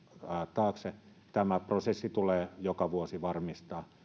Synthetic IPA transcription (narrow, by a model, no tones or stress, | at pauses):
t̪ɑːkse | t̪æmæprosesːit̪uleːjokɑʋuosiʋɑrmist̪ɑː